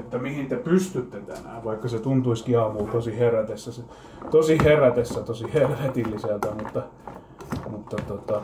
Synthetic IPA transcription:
et̪ːæmihint̪epyst̪yt̪ːet̪æ̰næ̰ːʋʋɑikːɑset̪unt̪uiskiɑːmult̪osiheræt̪esːæse | t̪osiheræt̪esːæt̪osiherʋet̪ilːisælt̪æmut̪ːɑ | mut̪ːɑt̪ot̪ɑ

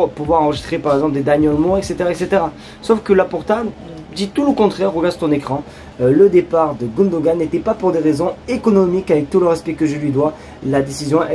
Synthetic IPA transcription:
puvwaʁɑ̃ʁəʒist̪χepaʁɛɡzɑ̃pld̪ed̪aɲɔ̃lmɔʁɛkset̪eʁaɛkset̪eʁa | sɔfkəlapɔʁt̪a | d̪it̪uləkɔ̃t̪χɛʁːəɡaʁd̪t̪ɔ̃nekχɑ̃ | ləd̪epaʁd̪əɡɔ̃nd̪oɡanet̪ɛpapuʁd̪eʁezɔ̃ekɔnɔmikavɛk̚t̪uləʁɛspɛkəʒəlɥid̪wa | lad̪esizjɔ̃ɛ

